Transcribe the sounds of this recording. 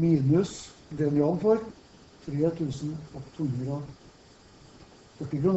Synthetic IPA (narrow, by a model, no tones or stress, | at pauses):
miːnʉs | d̪ɛnjɑnfɔɾ | t̪ʰɾeːt̪ʰʉːsn̩ɔkt̪ʰuːhʉnd̪ɾə | fœʈːɪkɾʊn